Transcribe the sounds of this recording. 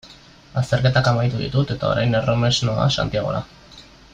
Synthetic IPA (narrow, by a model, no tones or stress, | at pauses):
ast̪e̞ɾke̞t̪akamajt̪uðḭt̪ut̪e̞t̪ao̞̰ɾajnerome̞zno̞a̰sa̰nt̪iaɣ̞o̞̰ɾa̰